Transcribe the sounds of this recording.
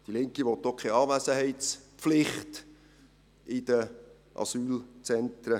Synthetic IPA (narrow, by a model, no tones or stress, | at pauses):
d̥ilɪŋkiʋɔt̪ːokʰɛɑːvæsəɦɛɪt̪t͡spflɪχt | ɪd̪ə | ʔɑ̰syːlt͡sɛnt̪ɾə